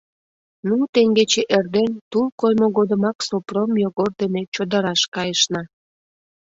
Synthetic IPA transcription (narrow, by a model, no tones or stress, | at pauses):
nut̪eŋɡet͡ɕeʔerd̪ent̪ulˠkojmoɣod̪əmɑksopromjoɣord̪ənet͡ɕod̪əɾɑʃkɑjəʃnɑ